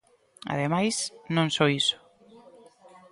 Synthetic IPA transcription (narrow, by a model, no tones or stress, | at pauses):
a̰ðemajsnõnsɔiso̥